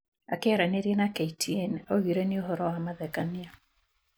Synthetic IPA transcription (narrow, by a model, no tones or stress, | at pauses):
a̰keɛɾaneɾienakeitʰienoɣiɾeneoɦɔɾɔwamaðɛkania